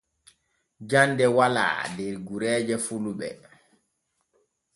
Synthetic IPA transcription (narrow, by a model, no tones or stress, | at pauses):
d͡ʒandɛwala̰ːdɛɾɡuɾɛːd͡ʒɛfuluɓɛ̰